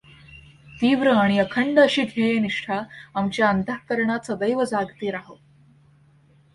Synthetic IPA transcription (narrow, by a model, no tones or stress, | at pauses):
t̪iːʋɾəaɽ̃iəkʰəɳɖəɕiːd̪ʱejeniʂʈʰaamt͡ɕjaənt̪akəɾɳat͡sad̪əjʋəd͡zaɡt̪iːɾaɦə